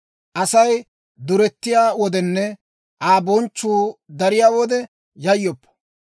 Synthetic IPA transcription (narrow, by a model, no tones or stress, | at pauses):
ʔɐsɐj | d̪ʊɾɛt̪ːɪjaːwɔd̪ɛnːɛ | ʔaːbɔnt͡ʃːuːd̪ɐɾɪjaːwɔd̪ɛ | jɐjːɔpːɔ̥